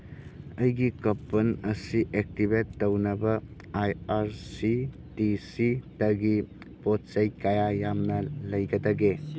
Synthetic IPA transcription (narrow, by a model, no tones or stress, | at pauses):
ɐjɡikɐpːɐnɐsiʔek̚tibetːɐwnɐbɐ | ajaɾsi | tisidɐɡi | pot̚sɐjkajajamnɐlɐjɡɐdaɡe